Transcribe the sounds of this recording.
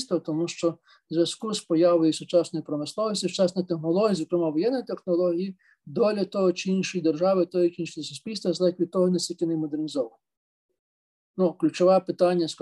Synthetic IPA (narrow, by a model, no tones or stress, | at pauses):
st̪ʋɐt̪ɔmuʃt͡ʃɔ | zʲjɐskuspɔjɑʋɔjisʊt͡ʃɑsnɔjipɾɔmɪslˠɔʋɔsʲit͡ʃɑsnɐjt̪exnɔlˠɔɦʲijizɔkɾemɑʋɔjɛnːɔjt̪exnɔlˠɔɦʲiji | d̪ɔlʲɐt̪ɔɦɔt͡ʃɪinʃɔjid̪erʒɑʋɪt̪ɔɦikʲinʃʲisʊsʲpʲilʲst̪ʋɐzlˠɛkʲʋʲit̪ɔɦɔnɛsʲtʲilʲkʲɪnemɔd̪ernʲizɔʋɐnɔ | nuklʲut͡ʃɔʋɛpɪt̪ɑnʲːɐsk